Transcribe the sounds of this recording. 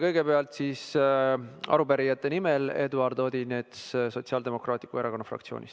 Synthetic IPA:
kɤjɡe̞peɑlt̪siːs | ɑ̰ɾupæɾijɑt̪ːe̞nimele̞d̪uɑrd̪o̞ːd̪inet̪sso̞t̪siɑld̪e̞mo̞krɑːt̪ʲːˑi̥kueɾɑko̞nːɑfrɑ̰kt̪sio̞̰ːnʲḭs

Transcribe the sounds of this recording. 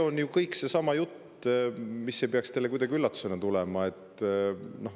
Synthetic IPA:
o̞njukɤjkse̞sɑmɑjut̪ː | misːe̞jpeɑkst̪e̞lːeujd̪ɑɡiylːɑt̪ːu̥senet̪ulɛmɑe̞t̪ː | no̞h

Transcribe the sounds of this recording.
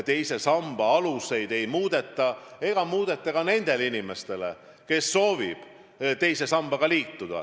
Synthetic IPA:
t̪e̞jse̞sɑmb̥ɑɑluse̞jd̪̥e̞jmuːd̪̥e̞t̪ːˑɑe̞ɡ̥ɑmuːd̪̥e̞t̪ːˑɑkɑne̞nd̪̥e̞linime̞st̪e̞lḛ | ke̞sːo̞ːvib̥ | t̪e̞jse̞sɑmb̥ɑɡ̥ɑliːt̪ːud̪̥ɑ̰

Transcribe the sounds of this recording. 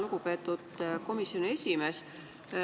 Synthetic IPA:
luɡ̥upe̞ːt̪ːˑud̪̥ko̞misːjo̞nie̞sʲime̞ːs

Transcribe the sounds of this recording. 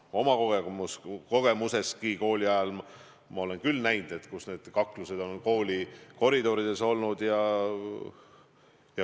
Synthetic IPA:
o̞mɑkoɡeusko̞ɡ̥e̞muse̞skiko̞ːlʲiɑjɑl | mɑole̞nkylːnæjnd̪̥e̞t̪ːkusne̞ːd̪̥kɑkluse̞d̪̥o̞nko̞ːlʲiko̞ɾid̪o̞ɾid̪̥e̞so̞lnud̪̥jɑ | jɑ

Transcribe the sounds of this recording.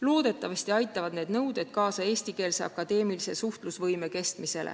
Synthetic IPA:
lo̞ːd̪̥e̞t̪ːˑɑvɑsʲt̪iɑjt̪ːˑɑvɑd̪̥neːd̪nɤwd̪e̞d̪̥̚kɑːsɑe̞ːsʲt̪ike̞ːlseɑ̰kɑd̪̥e̞ːmilise̞suht̪lusvɤjme̞ke̞st̪mise̞lʔḛ

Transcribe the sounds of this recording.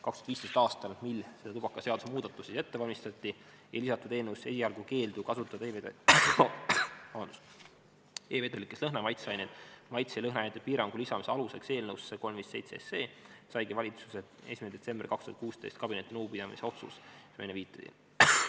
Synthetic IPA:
kɑkst̪u̥ɑt̪viːst̪e̞st̪ɑːst̪ɑlmilselet̪ub̥ɑkːˑɑse̞ɑd̪usemuːd̪̥ɑt̪ːˑusise̞t̪ːe̞vɑlʲmist̪ɑt̪ʲːi | ejlisɑt̪ːˑud̪̥eːnəwse̞siɑlɡ̥uke̞ːld̪ukɑsut̪ːˑɑd̪̥eve | ɑɑnd̪̥u̥s | eːve̞d̪elikːˑeslɤɦnɑmɑjt̪seɑjnet̪mɑjt̪selɤɦnɑjnet̪ːˑe̥piːɾɑŋɡ̥ulisɑmiseɑluse̞kse̞ːlnəwsːeko̞lmviːsːe̞jt̪seese̞ːsɑjɡivɑlʲit̪su̥se | e̞ːsimined̪e̞t̪se̞mbrikɑkst̪uhɑt̪̚kuːst̪e̞jst̪̚kɑbine̞t̪ːˑinuːpid̪̥ɑmḭseo̞t̪sṵssmḛneviːt̪ːˑɑd̥̪ḭn

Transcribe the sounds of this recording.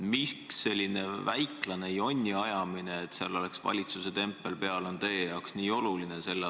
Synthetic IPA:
mikse̞lʲːine̞væjklɑne̞jo̞nʲːiɑjɑmineːt̪seɑlo̞le̞ksvɑ̰lʲit̪suse̞t̪e̞mpːˑe̞lpe̞ɑlo̞nt̪eːjɑoksniːo̞lulinese̞lːe

